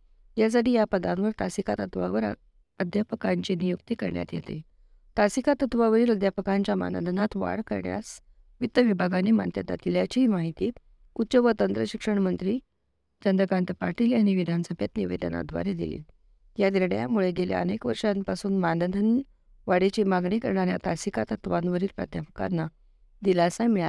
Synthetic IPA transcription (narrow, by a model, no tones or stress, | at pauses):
jas̬aʈiːjapəd̪ãnʋəɾt̪asikat̪ət̪ʋa̰ʋəɾ̰ | əd̪ʱjapəkaɲt͡ɕinijukt̪iːkəɾɳja̰t̪jḛt̪ḛ | t̪asikat̪ət̪ʋaʋəɾiːləd̪ʱjapəkaɲt͡ɕjama̰nəd̪ʱənat̪ʋa̰ɽkə̰ɾɳja̰s | ʋit̪ːəʋibʱaɡanema̰nt̪jəd̪a̰t̪iljat͡ɕimaɦit̪iːt̪ | ut̪ːɕəʋət̪ənt̪ɾəɕikʂəɳ̃mənt̪ɾiː | d͡ʑənd̪əkant̪əpaɾʈiːlañiʋid̪ʱanəsəbʱjat̪niʋḛd̪əna̰d̪ʱʋa̰ɾed̪ḭlḭ | jad̪iɾɽja̰muɭeɡelja̰ənekʋəɾʂanpasuːnmanəd̪ʱən | ʋaɽet͡ɕimaɡɳikəɾɳaɾjat̪asikat̪ət̪ʋanʋəɾiːlpɾə̰d̪japə̥ka̰nːa | d̪ilasamiɭa̰